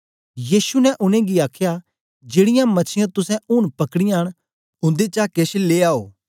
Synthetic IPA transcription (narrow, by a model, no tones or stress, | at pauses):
jiːsunɛʔʊnẽɡiaːkʰja | d͡ʒeːɽɪjãmɐt͡ʃʰɪjãt̪ʊsɛ̃ʊɽpɐkɽɪjãɦəɽ̃ | ʊ̃nd̪et͡ʃakeːʃeleːaːoː